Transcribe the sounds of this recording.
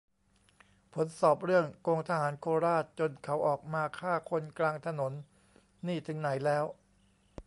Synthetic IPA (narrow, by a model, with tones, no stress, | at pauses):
pʰo˩˦nsɔː˨˩p̚ɾɯ˥˩əŋkoː˧ŋt̪ʰa˧ɦaː˩˦nkʰoː˧ɾaː˥˩t̪̚t͡ɕo˧nkʰa˩˦˥wʔɔː˨˩k̚maː˧kʰaː˥˩kʰo˧nklaː˧ŋt̪ʰa˧no˩˦nː | iː˥˩t̪ʰɯ˩˦ŋna˩˦jlɛː˦˥w